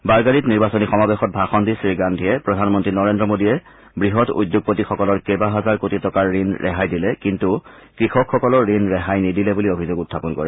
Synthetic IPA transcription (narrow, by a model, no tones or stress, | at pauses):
baɹɡanitniɹbasonixɔmabexɔt̚bʱaxɔndisɹiɡandʱiɛpɹɔdʱanmɔntɹinɔɹendɹɔmodiɛ | bɹiɦɔtṵjdjoɡ̚potixɔkɔlɔɹkebaɦazaɹkotitɔkaɹːinɹɛ̰ɦajdilɛkintu | kɹixɔkʰxɔkɔlɔɹːinɹɛɦajnidilɛbuliobʱizoɡutʰːapɔnkɔɹɛ